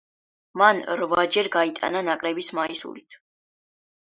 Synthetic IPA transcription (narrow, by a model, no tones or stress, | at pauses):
manɾvad͡ʒɛɾɡait̪ʼa̰nanakʼɾɛbismaisṵlt̪ʰ